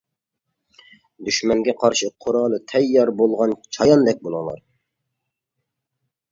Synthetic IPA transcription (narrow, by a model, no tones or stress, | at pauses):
d̪yʃmɛŋɡʲɛqʰɑɾʃɪqʰʊɾɑlˠɨt̪ʰɛjːɑɾbolˠʁɑnt͡ʃʰɑjɑnd̪ɛk̚ʲbolˠɨŋlˠɑ̰ɾ